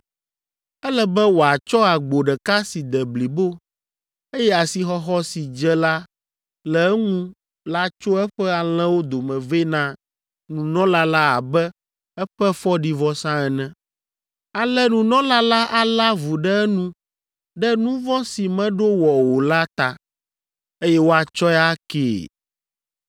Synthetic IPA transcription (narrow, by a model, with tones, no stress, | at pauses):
ɛ˦lɛ˦bɛ˦wo˨a˨t͡ʃɔ˦a˨ɡ͡bo˨ɖɛ˨ka˦si˨d̪ɛ˨bli˨bo˦ | e˦jɛ˦a˨si˨xɔ˦xɔ˦si˨d͡ʒɛ˦la˦ | lɛ˨ɛ˦ŋũ˦ | la˦t͡ʃo˦ɛ˦ɸɛ˦a˨l̃ɛ̃˦wo˦d̪o˨mɛ̃˨ve˦nã˦ | nũ˨nɔ̃˦la˦la˦a˨bɛ˦ | ɛ˦ɸɛ˦fɔ˦ɖi˨vɔ˦sã˦ɛ˨nɛ̃˦ | a˨lɛ˦nũ˨nɔ̃˦la˦la˦ʔa˨la˦vu˨ɖɛ˦ɛ˦nũ˦ | ɖɛ˦nũ˦vɔ̃˦si˨mɛ̃˦ɖo˦wɔ˨wo˨la˦t̪a˨ | e˦jɛ˦wo˦a˨t͡ʃɔ˦jɛ˦a˦kḛː˨